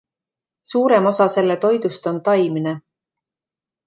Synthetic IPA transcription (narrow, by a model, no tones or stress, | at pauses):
suːɾe̞mo̞sɑse̞lːet̪o̞jd̪̥ust̪o̞nt̪ɑjmine